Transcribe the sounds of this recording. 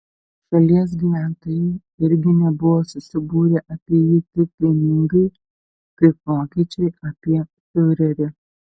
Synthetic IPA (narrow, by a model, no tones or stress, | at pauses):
ʃɐlʲiɛs̬ɡʲɪʋʲæːnt̪oju | ɪɾʲɡʲɪnʲɛbʊʋɔsʊsʲɪbuːɾʲɛʔɐpʲejit̪ɪpʲɪnʲɪŋɡʊ | pɾʲɪpoːkʲɛt͡ʃɪɐpʲiɛ | fɪʊɾʲɐɾɪ